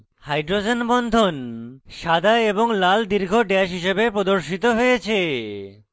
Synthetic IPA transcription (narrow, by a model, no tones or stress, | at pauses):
hajɖɾod͡ʑenbɔnd̪ʱonʃad̪ʱaeboŋlald̪iɾɡʱoɖɛʃ̬ɦiʃebepɾod̪oɾʃit̪oɦojet͡ɕʰe